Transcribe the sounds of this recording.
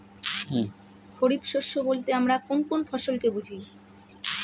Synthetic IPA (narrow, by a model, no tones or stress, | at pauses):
kʰoɾipʃoʃːobolt̪eamɾakonkonfʰɔʃolkebud͡ʑʱi